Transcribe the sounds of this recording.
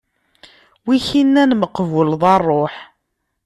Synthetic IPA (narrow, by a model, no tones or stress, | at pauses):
wiçinːænməqːəvəlðˤɑrˤːoħ